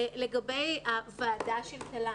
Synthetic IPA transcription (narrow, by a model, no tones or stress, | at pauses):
leɡɐbejavaːdaʃeltala